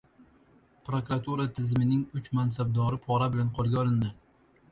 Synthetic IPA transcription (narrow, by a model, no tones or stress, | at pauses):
pɾokɾat̪ʰuɾat̪ʰɪzmɪnɪŋʊt͡ʃmans̬ab̚d̪ɒɾɪpʰɒɾabɪlanqʰolˠɡʲaɒlˠɪnd̪ɪ